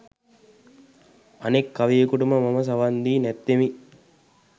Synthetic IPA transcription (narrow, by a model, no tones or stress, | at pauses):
ɐnekːaʋejːkuʈuməmɐmɐs̬ɐʋand̪iːnɛt̪ːemi